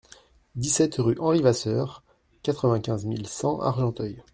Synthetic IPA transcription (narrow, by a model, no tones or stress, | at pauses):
d̪isɛt̪ʁyʔɑ̃ʁivasœʁ | kat̪χəvɛ̃kʲɛ̃zmilsɑ̃ʔa̰ʁʒɑ̃t̪œj